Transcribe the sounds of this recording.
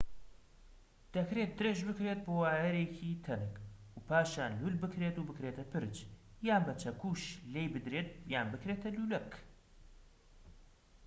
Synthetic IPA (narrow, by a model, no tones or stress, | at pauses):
d̪̥ɐkɾet̪̚d̪ɨɾeʒbɨkɾet̪̚boːwaːjɐɾekʰit̪ʰɐnɨk | upʰaːʃjaːnlulbɨkɾeːt̪ubɨkɾeːt̪ɐpʰɨɾt͡ʃjaːnbɐt͡ʃʰɐkuːʃleːjbɨd̪ɾeːt̪̚jaːnbɨkɾeːt̪ʰɐluːlɐk